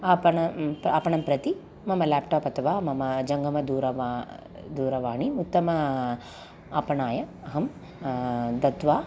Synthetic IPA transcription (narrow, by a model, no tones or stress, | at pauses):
ɐːpɐɳɐaːpɐɳɐmpɾɐt̪i | mɐmɐlaːpʈoːpɐt̪ɐʋaːmɐmɐd͡ʒɐŋɡɐmɐd̪uːɾɐʋ | d̪uːɾɐʋaːɳimut̪ːɐmɐ | ɐːpɐɳaːjɐ | ɐɦɐm | d̪ɐt̪ʋaː